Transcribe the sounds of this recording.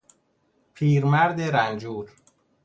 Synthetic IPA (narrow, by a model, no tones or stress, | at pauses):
pʰiːɾmæɾd̪eɾænd͡ʒuːɾ